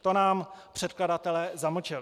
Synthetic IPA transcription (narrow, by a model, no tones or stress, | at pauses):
t̪onaːmpr̝̥ɛt̪̚kladat̪ɛlɛːzaml̩t͡ʃɪlɪ